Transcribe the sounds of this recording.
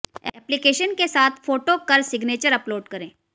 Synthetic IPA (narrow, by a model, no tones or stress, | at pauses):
ɛɛːplɪkeːʃənkesaːt̪ʰfoːʈokɐɾsɪɡneːt͡ʃəɾɐploːɖkɐɾẽː